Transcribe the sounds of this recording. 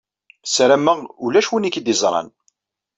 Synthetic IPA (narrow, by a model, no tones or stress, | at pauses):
sɾæmːəʁulæʃwinikːd̪izˤɾˤɑ̰n